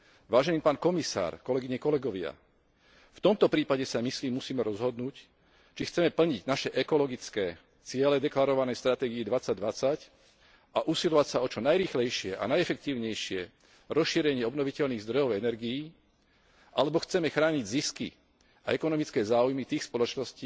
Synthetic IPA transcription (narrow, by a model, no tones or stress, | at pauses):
ʋaːʒɛniːpaːnkɔmisa̰ːɾkɔlɛɡiɲɛkɔlɛɡɔʋɪa̰ | ft̪ɔmt̪ɔpɾiːpaɟɛsamisliːmːusiːmɛɾɔzɦɔd̪nuːc | t͡ʃixt͡sɛmɛpl̩ɲiɟnaʃɛʔɛkɔlɔɡit͡skɛː | t͡sɪɛlɛd̪ɛklaɾɔʋanɛjst̪ɾat̪ɛːɡiːd̪ʋat͡sːaɟ̚d̪ʋat͡sac | ʔaʔusilɔʋacsaɔt͡ʃɔnajɾiːxlɛjʃɪɛʔa̰najɛfɛk̚t̪iːʊɲɛjʃɪɛ | ɾɔsʃiːɾɛɲɪɛɔbnɔʋicɛlniːɣzd̪ɾɔjɔʊɛnɛɾɡiji | ʔalɛbɔxt͡sɛmɛxɾaːɲiɟziskḭ | aɛkɔnɔmit͡skɛːzaːujmit̪iːxspɔlɔt͡ʃnɔsciː